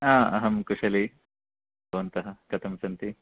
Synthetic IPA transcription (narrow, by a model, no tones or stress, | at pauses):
aːɐ̰ɦɐmkuʂɐli | bɐʋɐnt̪ɐɦɐ̆kɐt̪ʰɐmsɐnt̪i